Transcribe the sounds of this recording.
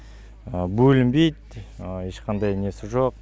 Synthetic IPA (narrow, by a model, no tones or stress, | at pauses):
əbɵlɪmbe̞jt̪e̞ʃqʰɑnd̪ɑjne̞sɪʒoq̚